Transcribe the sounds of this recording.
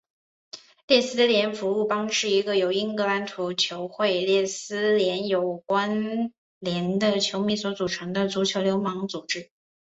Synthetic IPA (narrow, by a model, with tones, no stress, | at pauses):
ljɛ˥˩sɹ̩˥d̪ə˧ljɛ˧˥nfu˧˥u˥˩pɑ˥ŋʂɻ̩˥˩i˧˥ɡə˧jo˨˩ʊi˥ŋkɤ˧˥a˧˥nt̪ʰu˧˥t͡ɕʰjo˧˥ʊxwe˥˧ɪljɛ˥˩sɹ̩˥ljɛ˧˥njo˨˩ʊkwa˥n | ljɛ˧˥nd̪ə˧t͡ɕʰjo˧˥ʊmi˧˩swɔ˧˥t͡su˨˩ʈ͡ʂʰɤ˧˥ŋd̪ə˧t͡su˧˥t͡ɕʰjo˧˥ʊljo˧˥ʊmɑ˧˥ŋt͡su˨˩ʈ͡ʂɻ̩˥